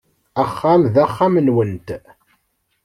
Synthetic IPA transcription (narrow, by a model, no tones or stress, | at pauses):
æχːamðæχːamənwənt̪